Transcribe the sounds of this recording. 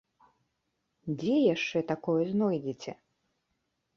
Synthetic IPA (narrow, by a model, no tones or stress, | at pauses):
d͡zʲɛjaʂt͡ʂɛt̪akɔjɛznɔjd͡zʲit͡sʲɛ